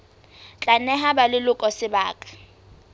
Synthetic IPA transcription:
t͡ɬʼanɛɦabalɪlʊkʼɔsɪbaːkʼḁ

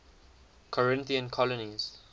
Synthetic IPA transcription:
kʰɔɹɪ̃nθiə̃nkʰɔlɔniz̥

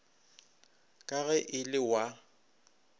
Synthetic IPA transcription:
kʼaɣɛʔɪlɪwa

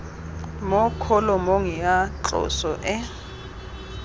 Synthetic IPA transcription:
mɔkʰɔlɔmoŋiat͡ɬɔ̰sɔʔɛ

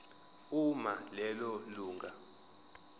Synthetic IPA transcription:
umalɛlɔluːŋɡʱa

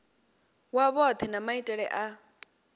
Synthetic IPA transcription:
waβɔt̪ʰɛnamaitʼɛɺɛ̰ʔa

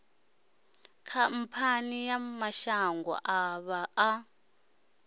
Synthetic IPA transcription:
kʰam̩pʰanijamaʃaŋɡwɔ̰ʔaβaʔː

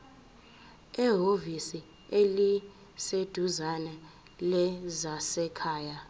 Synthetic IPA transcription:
ɛɦovisi | eli | sed̥ʱuzanɛ | lɛzasɛkʰaːja

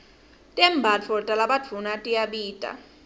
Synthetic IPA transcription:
tʼɛmbʱad͡vʰʱɔtʼalaɓḁd͡vʰʱunatʼijaɓiːtʼa̰

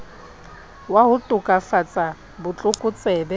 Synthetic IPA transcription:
waɦʊtʼʊkʼafat͡sʼa | bʊt͡ɬʼʊkʼʊt͡sʼɛːbɛ

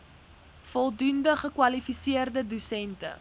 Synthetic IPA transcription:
fɔlˠdundəχəkwɐlifisiərdədusɛntə̰

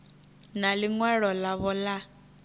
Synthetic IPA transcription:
naliŋwɛɺɔlaβɔla

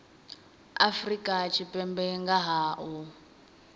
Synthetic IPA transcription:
a̰frikʼat͡ʃʰipʼɛmbɛŋɡaɦaːʔu

